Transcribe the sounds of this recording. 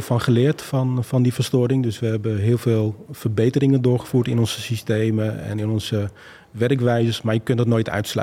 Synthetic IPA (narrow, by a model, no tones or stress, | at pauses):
fɔnχəlɪːɹtfɔnfɑndifərstʊɾɪŋdøsʋəɦɛbəɦɪːlˠveːlˠfərbejtərɪŋəndʊːχə̥fuːɹtɪnɔnzəsisteːməɛ̰nɪnɔnzə | ʋɛrkʋɛjzəsmaːɹjəkøntdətnoːjtʰœ̰ɥtslœ̰